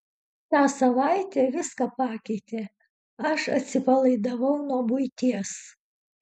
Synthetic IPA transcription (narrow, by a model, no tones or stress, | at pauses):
t̪ɑːsɐʋɑɪt̪ʲeʋʲɪskɑpɑːkʲɛɪt̪ʲeː | ɐʃɐt̪ʲsʲɪpɐlˠɐɪd̪ɐʋɐʊnuɔbʊɪt̪ʲiɛs